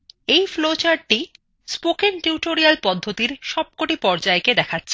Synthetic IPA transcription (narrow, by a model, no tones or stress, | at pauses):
ejflot͡ɕaɾ̚ʈi | spokenʈiʈoɾialpɔd̪ʱːot̪iɾʃɔb̚koʈipɔɾd͡ʑaeked̪ɛkʰatːɕʰe